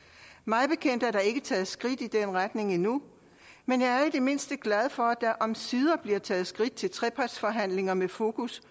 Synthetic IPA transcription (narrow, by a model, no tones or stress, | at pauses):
mɑ̈ɪb̥e̝kʰen̰d̥æɐd̥ɑ̈e̝ɡ̥ət͡sʰɛːð̩ˠsɡ̥ʁid̥id̥enʁad̥ne̝ŋinu | menjɑ̈ɪæɐid̥e̝me̝n̰sd̥əɡ̥læðˠfɒ̽æd̥ɑ̈ʔɒ̽msið̞ˠɐb̥liɐt͡sʰɛːð̞̩ˠsɡ̥ʁid̥̚t͡sʰe̝lt͡sʰʁɛpʰɑd̥sfɒ̽ɦæn̰le̝ŋɐmefo̝ːkʰus